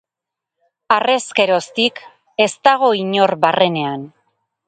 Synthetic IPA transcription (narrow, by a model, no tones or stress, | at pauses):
are̞ske̞ɾo̞st̪ik | e̞st̪aɣ̞o̞iɲo̞ɾβarʔe̞ne̞an